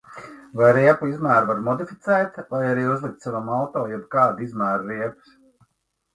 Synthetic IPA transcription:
vajɾiɛpuizmæːɾvaɾmɔd̪ifʲit̪sɛːt̪vajaɾiːuzlˠik̚t̪savamalˠt̪oːjɛbkaːd̪izmæːɾɾiɛpu̥s

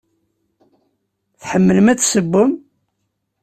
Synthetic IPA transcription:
θħəmːələmæt͡sːsəbːəm

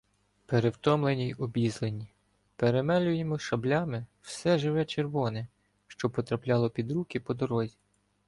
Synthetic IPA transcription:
peɾewt̪ɔmlˠenʲijʊbʲizlˠenʲi | peɾemɛlʲʊjemɔʃɐblʲɑmɪwsɛʒɪʋɛt͡ʃerʋɔnɪ | ʃt͡ʃɔpɔt̪ɾɐplʲɑlˠɔpʲid̪ɾukɪpɔd̪ɔɾɔzʲi

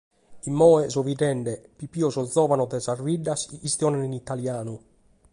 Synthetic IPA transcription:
imːɔːɛzɔvid̪ɛɳɖɛpipiːɔzɔd̪zɔːvanɔd̪ɛzarviɖːasist̪jɔːnɛninit̪aljaːnu

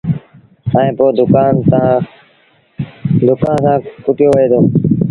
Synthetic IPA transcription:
ãːẽːpoːd̪ʊkaːnt̪əãː | d̪ʊkãːnsãːkʊʈɪjoːʋəeːd̪oː

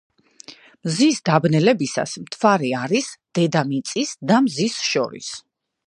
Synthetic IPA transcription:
mzisd̪abnɛlɛbisa̰smt̪ʰvaɾiaɾisd̪̥ɛd̪amit̪sʼisd̪amzisʃɔ̰ɾḭs

